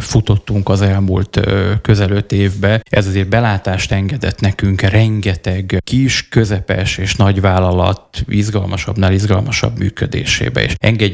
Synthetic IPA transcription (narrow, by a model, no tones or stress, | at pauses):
fut̪o̞t̪ːuŋkɒzɛlmṵːlt̪kø̞zɛlø̞t̪eːvbɛɛzɒzeːrbɛlaːt̪aːʃt̪ɛŋɡɛd̪ɛt̪nɛkyŋkrɛŋɡɛt̪ɛɡkiʃkø̞zɛpɛ̰ʃeːʃnɒɟvaːlːɒlɒ̰t̪izɡɒlmɒʃɒ̰bnalizɡɒlmɒʃɒ̰bmy̰ːkød̪ḛːʃḛːbɛ̰ḛːʃɛ̰ŋɡɛɟ